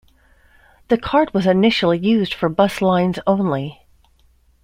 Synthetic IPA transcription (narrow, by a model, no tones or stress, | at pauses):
ðɨkʰɑɹt̚wʌzɨnɪʃl̩ˠijʉzd̥fə˞bʌslãɪ̃nzõʊ̃nli